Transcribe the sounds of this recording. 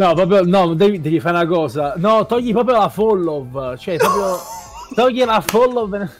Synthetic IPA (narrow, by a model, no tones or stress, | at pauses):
nɔpːɾɔːpɾjonɔnond̪ɛvid̪ɛːvifaɾũnakɔːzanɔt̪ɔʎːipɾɔːpɾjolafɔlːovt͡ʃoɛpɾɔːp̬ɾjo | t̪ɔʎːilafɔlːovn